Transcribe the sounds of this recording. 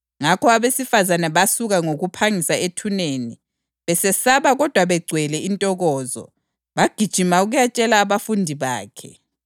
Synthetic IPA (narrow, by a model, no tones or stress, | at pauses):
ŋakʰɔaβesifazanɛβasuɣaŋoɣupʰaŋisaetʰuneːni | βɛsɛsaβaɣɔd̥ʱwaβɛɡ͡ǀʱwɛlɛintʼɔɣɔːzɔ̰ | βaɡ̥ʱid̥ʒ̥ʱimauɣujat͡ʃʼɛlaːβafundʱiβa̰ːkʰɛ̰